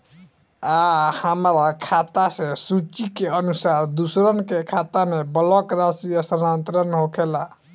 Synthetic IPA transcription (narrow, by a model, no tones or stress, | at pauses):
ahəmɾakʰat̪asẽsut͡ʃikeənusaɾd̪usɾənkekʰat̪amebəlɔkɾasiəsəɾant̪ɾənɦokʰela